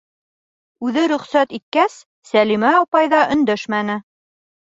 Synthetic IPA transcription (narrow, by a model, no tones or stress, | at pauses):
ʉðɘɾɵ̆χsæt̪it̪̚kæsː | ælimæɑpɑjðɑʔɵ̆nd̪æʃmænɘ